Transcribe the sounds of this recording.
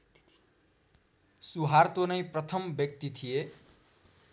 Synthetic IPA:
suɦart̪onʌjprʌt̪ʰʌmbjʌk̚t̪it̪ʰije

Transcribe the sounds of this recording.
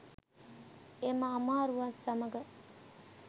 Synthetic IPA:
emɐːmaːɾuʋasɐmɐɡə

